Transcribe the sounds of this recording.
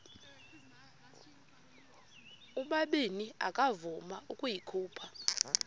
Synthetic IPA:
uɓaɓenia̰kʼavumaukʼujikʰuːpʰa

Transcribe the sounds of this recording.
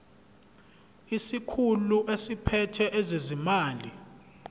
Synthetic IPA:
isikʰuluʔesipʰɛtʰɛʔezezimaːli

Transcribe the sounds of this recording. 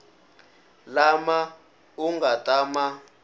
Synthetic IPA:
lama | uŋɡatʼama

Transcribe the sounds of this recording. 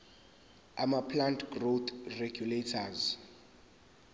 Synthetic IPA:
amapʰlantʰɡrot̪ʰreɡjuletʰaz

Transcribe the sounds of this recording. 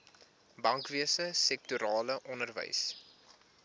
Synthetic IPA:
bɐŋkviəsəsɛk̚tuɾɑːləʔɔnərvə̰js

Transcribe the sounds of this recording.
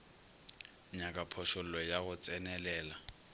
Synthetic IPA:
ɲakʼapʰɔʃʊl̩lɔjaɣʊt͡sʼɛnɛlɛːla

